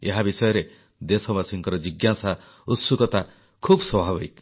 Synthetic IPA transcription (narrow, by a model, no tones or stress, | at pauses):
ḛɦabisɔjɔɾe | d̪esɔbasiŋkɔɾɔd͡ʒiɡjasa | ut̪sukɔt̪a | kʰubswɔbʱabɔik